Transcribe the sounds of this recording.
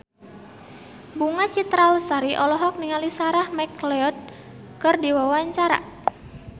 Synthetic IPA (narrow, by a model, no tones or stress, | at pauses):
buŋat͡ʃit̪ɾalst̪aɾiʔɔlɔɦɔk̚niŋalisaɾahmɛkleɔt̪̚ | kərdiwawaɲt͡ʃaɾa̰